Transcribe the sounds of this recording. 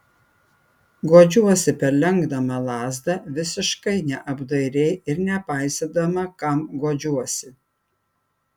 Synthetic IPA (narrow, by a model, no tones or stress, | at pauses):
ɡoːd͡ʒʲuɔsʲɪpʲɛɾlʲɛŋɡd̪ɐmɐlˠɑːzd̪ɐʋʲɪsʲɪʃkɐɪnʲɛʔɐbd̪ɐɪɾʲeɪɪɾnʲɛpɑˑɪsʲed̪ɐmɐkɐmɡoːd͡ʒʲuɔsʲɪ